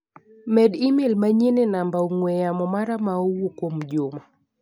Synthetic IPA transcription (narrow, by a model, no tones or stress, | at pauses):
mɛɗimelmaɲenenambauŋwɛjamɔmaɾamauwokomd͡ʒoma